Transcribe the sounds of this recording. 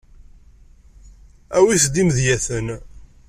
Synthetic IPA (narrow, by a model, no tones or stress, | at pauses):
æwisd̪imðjæθən